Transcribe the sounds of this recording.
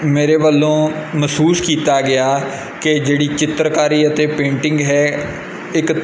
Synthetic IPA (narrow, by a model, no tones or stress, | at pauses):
meːɾeːʋəlːõːməsuːskiːt̪aːɡɪaː | ked͡ʒeːɽiːt͡ʃɪt̪ɾkaːɾiːət̪eːpẽːɳʈɪ̃ŋɡɦɛː | ɪk